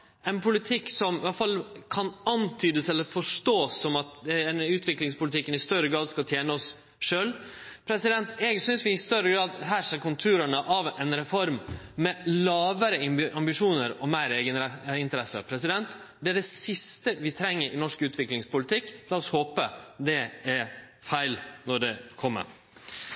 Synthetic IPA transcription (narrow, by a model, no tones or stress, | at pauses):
ɛnpʰʊlɪt̪ʰɪkːsɔmɪʋɑfɑlːkʰɑnɑnt̪ʰyːd̪əsɛlːəɾfɔʂʈoːsːɔmɑt̪ɛɛnʉːt̪ʋɪklɪŋspʊlɪt̪ʰɪkːənɪst̪œɾəɡɾɑːd̪skɑt̪ʰjeːnəɔs | ʂøːl | pʰɾɛsɪd̪ɛnt̪ɛɡsʏnsʋɪɪst̪œɾəɡɾɑːd̪ɦæːɾʂeːɾkʊnt̪ʰʉːɾəɳəʔɑʋɛnɾɛfɔɾmmɛlɑːʋəɾəɪɑmbɪʂuːnəɾɔmæɪɾeːɡənɛɪnt̪əɾɛsə̰pʰɾɛsɪd̪ɛnt̪ | d̪ɛæɖɛsɪst̪əʋɪt̪ʰɾɛŋːəɾʔɪ̰nɔʂkʉːt̪ʰʋɪklɪŋspʊlɪt̪ʰɪkːlɑːɔshoːpəd̪ɛæɾfæɪlnɔɖɛkʰɔmːə̰ɾ